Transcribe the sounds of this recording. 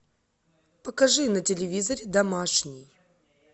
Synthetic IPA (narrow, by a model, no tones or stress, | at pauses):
pəkɐʐɨnətʲɪlʲɪvʲizəɾʲɪd̪ɐmaʂnʲɪj